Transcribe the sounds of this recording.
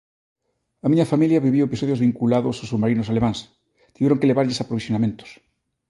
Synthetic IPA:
amiɲafamiljaβiβiwepisoðjozβiŋkulaðososuβmaɾinosalemãns | t̪iβɛɾoŋkeleβaɾʎesapɾoβisjonamẽnt̪o̥s

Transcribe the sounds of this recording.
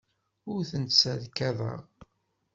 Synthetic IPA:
ʊɾθənsæðkːæðˤə̰ʁ

